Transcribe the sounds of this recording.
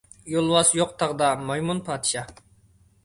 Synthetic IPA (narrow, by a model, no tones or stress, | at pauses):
jolˠwɑsjoq̚t̪ʰɑʁd̪ɑmɑjmunpʰɑːd̪ɨ̥ʃɑ